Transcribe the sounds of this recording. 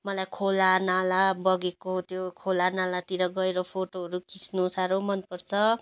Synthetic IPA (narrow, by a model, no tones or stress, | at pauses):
mʌlajkʰolanalabʌɡekot̪jokʰolanalat̪iɾʌɡʌeɾʌpʰoʈoɦʌɾukisnusaɾomʌnpʌrt͡sʰʌ